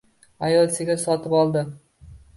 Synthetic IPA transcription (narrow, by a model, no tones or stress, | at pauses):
ajɒlˠsɪɡʲasɒt̪ɪpɒlˠd̪ɪ